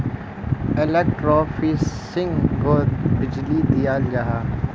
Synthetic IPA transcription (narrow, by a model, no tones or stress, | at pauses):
elek̚ʈɾɔːfiːs | ɪ̃ŋɡoːbɪd͡ʒlid̪ijaːld͡ʒaɦaː